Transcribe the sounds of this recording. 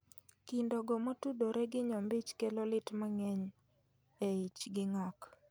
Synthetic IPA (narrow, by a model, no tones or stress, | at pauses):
kɪndoɡɔmotudoɾɛɡɪɲɔmbit͡ʃkelolɪtmaŋɛɲ | eit͡ʃɡɪŋak